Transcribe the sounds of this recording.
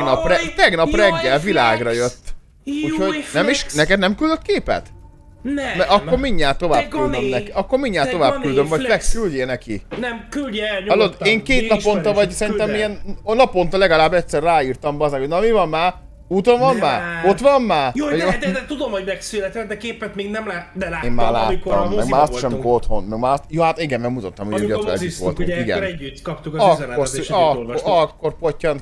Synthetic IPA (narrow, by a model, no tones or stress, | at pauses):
nɒrɛt̪ɛɡnɒprɛɡːɛlvila̰ːɡrɒjø̞t̪ː | uːchoɟnɛmiʃnɛkɛd̪nɛmkyld̪øt̪keːpɛ̰t̪ | mɛʔɒkːo̞rmiɲːaːt̪ːo̞vaːbkyld̪ømnɛkiɒkːo̞ɾrmiɲːaːt̪o̞vaːbkyld̪ømvɒpɛkkylɟeːnɛkḭnɛmkylɒlod̪eːŋkeːt̪nɒpo̞nt̪ɒvɒɟsɛɾint̪ɛmijɛnnɒpo̞nt̪ɑlɛɡɒlaːbːɛcʲsɛrːaːiːrt̪ɒmbɛɒzɛkhonɒmivɒmːaːr | ut̪onvɒmmaːo̞t̪ʋɒmːaːrjod̪ɛd̪ɛt̪ud̪omhoɟmɛksylɛt̪ɛd̪ɛkeːpɛt̪meːɡnɛmlad̪ɛlaːeːmma̰ːla̰ːitoːɔ̰mːɛɡ̪maːɾɒst̪ʃɛmikoot̪ho̞nmɛɡmaːsjoːhat̪iɡɛnmɛmut̪ot̪ːɒmuɡøɛ̰lio̰lt̪ṵŋiɡɛ̰ɾɛɟːyt̪ːkɒpt̪ukːzɛk̪ːosɒɒkːo̞rpocːɒn